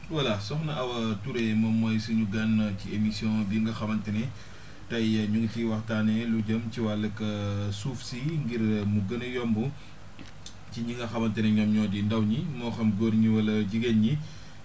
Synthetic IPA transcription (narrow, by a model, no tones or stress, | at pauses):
wɐlɐsɔxnɐʔɐwɐtuɾɛmɐmɔjsuɲuɡanciemisjɔ̃ːbiŋɡɐxɐmɐntɐnɛ | tɐjɲuŋɡciwɐxtaːnɛluɟɐmciwalːɐkɐsuːfsiŋɡiɾmuɡɐnɐjɔmbu | ciɲiŋɡɐxɐmɐntɐnɛɲɔmɲɔːdindɐwɲimɔːxɐmɡoːrɲiwɐlɐɟiɡenɲi